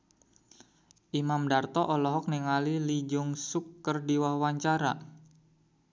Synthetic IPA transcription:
ʔimamdart̪ɔʔɔlɔɦɔk̚niŋalilid͡ʒʊŋsukːərdiwahwaɲt͡ʃaɾa̰

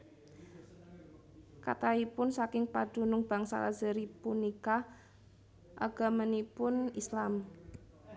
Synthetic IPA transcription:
ka̰t̪aipʊnsakɪŋpad̥ṳnʊŋb̥a̤ŋsa̰lazəɾipunika | ʔa̰ɡ̥a̤mənipʊnislam

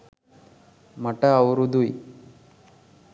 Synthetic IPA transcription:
mɐʈɐːwɾud̪uj

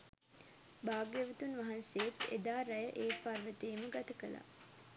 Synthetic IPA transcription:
baːɡjeʋət̪unʋaɦanseet̪ḛd̪aːɾæjəʔeːparʋət̪eːməɡat̪əkəla̰

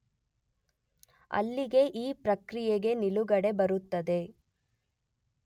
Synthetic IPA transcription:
ɐ̰lːiɡe̞ʔiːpɾɐkɾijeɡe̞niluɡɐɽe̞bɐɾut̪ːɐd̪e̞

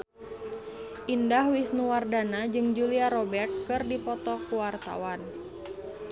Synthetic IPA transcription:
ʔindahwisnuwardanad͡ʒɨŋd͡ʒuliaɾɔbɛrt̪̚kɨrdipɔt̪ɔkuwart̪a̰wan

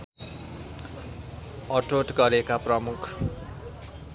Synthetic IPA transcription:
ʌʈoʈɡʌɾekaprʌmukʰ

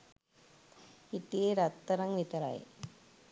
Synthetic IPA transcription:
it̪ːieɾɐt̪ːɐɾɐŋʋit̪ɐɾa̰ːj̰

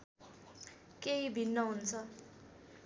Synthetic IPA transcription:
keibʱinːʌɦunt͡sʰʌ

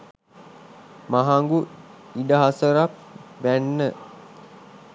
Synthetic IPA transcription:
maɦaŋɡu | iɖəɦasəɾap̚bænːə

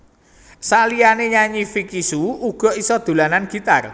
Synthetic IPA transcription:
salianeɲaɲifikisuuɡ̥ɔ̤isɔd̪̥ṳlananɡ̥i̤t̪ar

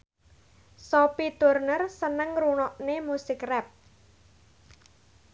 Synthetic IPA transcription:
sopit̪urnərsənəŋrunɔʔnemusɪkrɛp̚

